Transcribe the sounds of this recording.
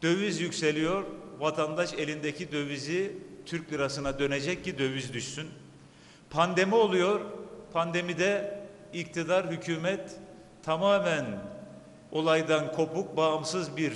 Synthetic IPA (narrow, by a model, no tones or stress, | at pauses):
d̪̥ø̞vyzjycse̞lʲijo̞ɾvat̪ʰand̪aʃe̞lʲind̪ecʰid̪ø̞vizit̪ʰyɾclʲiɾasɯnad̪ø̞ned͡ʒɛc̚cːid̪ø̞vyzd̪yʃsyn | pʰand̪e̞mio̞lˠujo̞ɾpʰand̪e̞mid̪ɛ | ict̪ʰid̪aɾɦycʰyːmɛt̪ʰː | amaːmæn | o̞lˠajd̪ankʰo̞puk̚baɯmsɯzbiɾ